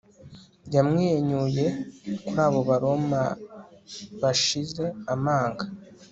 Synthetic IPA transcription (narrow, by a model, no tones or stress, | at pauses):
jamŋeːɲuje̞kuɾaːβo̞βaɾo̞ma | βaʃize̞amaːŋɡa